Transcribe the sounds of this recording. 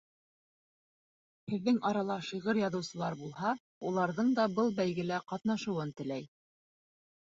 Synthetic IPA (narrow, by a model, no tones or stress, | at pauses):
hɘ̆ðːɘŋɑɾɑlˠɑʃiʁɤɾjɑðɤ̆wsɤ̆lˠɑɾbulˠhɑ | ulˠɑɾðɤɴd̪ɑbɤlˠbæjɡɘ̆læqɑt̪nɑʃɤ̆wɤnt̪ɘ̆læj